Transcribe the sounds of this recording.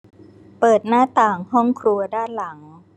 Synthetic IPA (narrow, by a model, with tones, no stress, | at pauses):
pɤː˨˩t̪̚naː˥˩t̪aː˨˩ŋhɔ˥˩ŋkʰɾu˧ɐdaː˥˩nla˩˦ŋ